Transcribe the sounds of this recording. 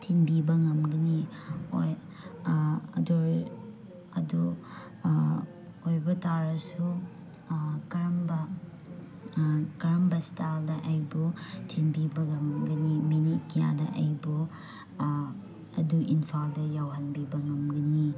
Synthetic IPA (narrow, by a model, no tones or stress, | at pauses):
tʰinbibɐŋɐmɡɐnio̰j | ɐ̰duɾ | ɐdu | ojbɐtaɾɐsu | kɐɾɐmbɐ | kɐɾɐmbɐstaldɐʔɐjbutʰinbibɐŋɐmɡɐniminit̚kija̰dɐ̰ʔɐjbu | ɐ̰duinpʰaldɐjawɦɐnbibɐŋɐmɡɐni